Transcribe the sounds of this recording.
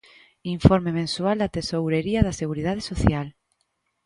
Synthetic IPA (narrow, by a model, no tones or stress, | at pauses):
iɱfoɾmemẽnsuald̪ɐt̪esowɾeɾiɐðaseɣuɾiðað̞esoθjal